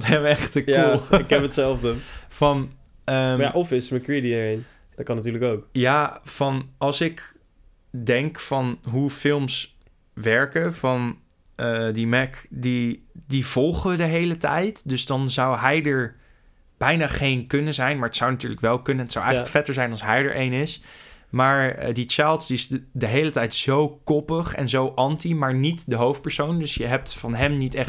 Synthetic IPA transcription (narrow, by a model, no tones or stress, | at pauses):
tɦɛmɛχtəɪkɛpətsɛlˠfdəfɑn | əjaʔɔfɪsətməkɹidiəɹejn | d̥ɔt̚kɑnatyːɹləkowkjaːvɑnɑlˠsɪk | dɛŋkfɑnɦufɪlˠms | ʋɛɹkəvɑn | ədimɛkdidivɔlˠχəʋədəɦejlətɛ̰jtdɵsdɑnzʌwɦɛjdəɹ | b̥ɛjnaːχejnkɵnəzɛjnmaːɹətsawnatyːɹləkʋɛlˠkɵnənɦətsawʔɛjələkfɛtəɹzɛjnɑlˠsɦɛjdə̰ɹʔejnɪsmaːɹdit͡ʃɛlˠtsdiɪsdəɦejlətɛjtz̥owkɔpəχɛ̰nzowʔɑntimaːɹnitdəɦowft̚pəɹsowndɵsjəɦɛp̚tfɑnɦɛmnitɛχ